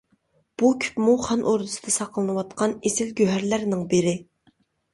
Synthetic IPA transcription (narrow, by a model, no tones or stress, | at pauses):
b̥ukʲʰy̥pmuχɑnʔoɾd̪ɨsɨ̥d̪ɑsɑqlˠɨnɨwɑt̪̚qʰɑnesɪlɡʲøɦæɾlæɾnɪŋbɪɾɪ